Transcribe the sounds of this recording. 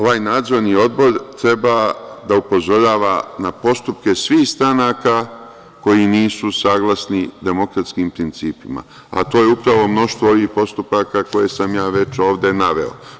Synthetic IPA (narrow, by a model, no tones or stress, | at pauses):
o̞ʋaːjnaːd̪zo̞ɾnio̞d̪bo̞ɾt̪ɾe̞bad̪aupo̞zo̞ɾaːʋanapo̞st̪up̚ke̞sʋiːhst̪ɾanaːka | ko̞jiniːsusaːɡlˠasnid̪e̞mokɾat̪skiːmpɾint̪siːpima̰ | a̰t̪oːjeupɾaʋo̞mno̞ʃt̪ʋooʋihpo̞st̪upakako̞je̞samjaːʋe̞t͡ʃo̞ːʋd̪e̞naʋe̞̰o̰